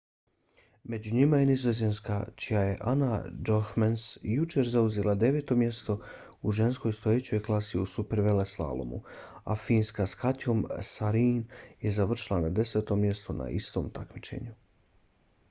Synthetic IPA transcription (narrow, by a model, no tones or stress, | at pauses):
me̞d͡ʑuɲimajenizozenskat͡ɕijaje̞̰ʔanad͡ʒohmansjut͡ʃe̞ɾzauzelad̪e̞ʋe̞ːt̪o̞mje̞st̪o̞ | uʒe̞nsko̞jst̪o̞jet͡ɕo̞jklˠasiusupeɾʋeleslˠa̰lˠo̰mṵa̰fiːnskaskat̪jo̞msaɾiːnje̞zaʋr̩ʃilˠanad̪e̞se̞t̪o̞mje̞st̪o̞na̰ʔist̪o̞ːmt̪akmit͡ʃe̞̰ɲu